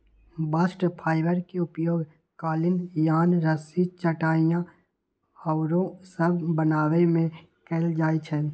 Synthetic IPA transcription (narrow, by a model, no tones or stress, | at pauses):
basʈpʰaːɪʋəɾkeʊpjoːɡ | kaːlɪnjaːnɾəsit͡ʃəʈaːijã | əʊɾõsəbʱbənaːwemẽ | kɛːld͡ʒaːit͡ʃʰɛː